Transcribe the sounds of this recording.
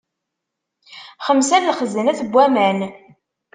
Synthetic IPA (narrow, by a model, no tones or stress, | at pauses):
χəmsæɾlχəzənæθəbʷːæmæn